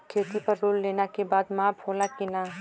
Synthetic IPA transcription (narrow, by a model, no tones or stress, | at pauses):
kʰeːt̪ipɐɾːoːlleːnakebaːd̪mãːpʰoːlakɪnaː